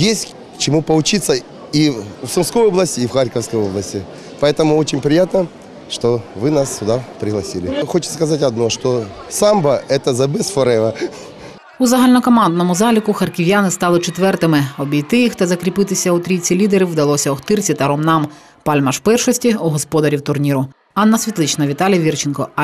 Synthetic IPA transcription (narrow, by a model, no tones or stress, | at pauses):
jesʲtʲ | kt͡ʃɪmupɐlˠʊt͡ʃit̪sə | ifsʊmskojoblˠəsʲtʲɪːfxaɾʲkəfskɔjoblˠəsʲtʲɪ | pɐɛt̪əmʊot͡ʃɪnʲpɾʲɪjat̪nɐ | ʂt̪oʋɨnast̪ʊd̪apɾʲɪɦlˠɐsʲilʲɪxot͡ʃɪ̥t̪kɐzatʲɐd̪noʂt̪osambɐɛt̪əzɐbɛsfɐɾɛʋɐ | uzɐɦalʲnɔkɔmɑnd̪nɔmʊzɑlʲikʊxɐrkʲɪʋʲjanɪst̪ɑlˠɪt͡ʃet̪ʋɛrt̪ɪmɪɔbʲijt̪ɪjixt̪ɐzɐkɾʲipɪt̪ɪsʲɐʊt̪ɾʲit͡sʲːilʲid̪eɾɪwd̪ɐlˠɔsʲɐɔxt̪ɪrt͡sʲit̪ɐɾɔmnɑm | pɑlʲmɐʃwpɛrʃɔsʲtʲiuɦɔspɔd̪ɐɾʲiwt̪ʊrnʲiɾʊ | ɑnːɐsʲʋʲit̪lˠɪt͡ʃnɐʋʲit̪ɑlʲjɐʋʲirt͡ʃɪnkɔ